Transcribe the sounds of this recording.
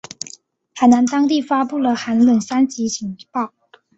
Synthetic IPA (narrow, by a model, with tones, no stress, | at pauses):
xa˨˩ɪna˧˥nt̪ɑ˥ŋt̪̬i˥˩fa˥pu˥˩lə˩xa˧˥nlə˨˩nsa˥nt͡ɕi˧˥ɕʰi˧˥ŋpɑ˥˩ʊ